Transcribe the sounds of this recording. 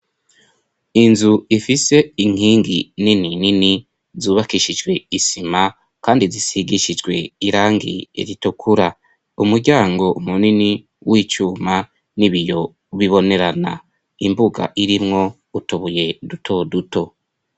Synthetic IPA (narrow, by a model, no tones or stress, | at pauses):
inzuifise̞iŋ̥iːŋɡinininini | zuːβakiʃid͡ʒɡwe̞isima | kaːndizisiɡiʃid͡ʒɡwe̞̰iɾaːŋɡḭḛɾitukʰuɾa | umuɾɟaːŋɡo̞umunini | wʔit͡ʃuːma | niβijo̞ | βiβo̞ne̞ɾana̰ | imbuɡa̰ʔiɾimŋo̞ | utuβuje̞dutʰo̞duto̞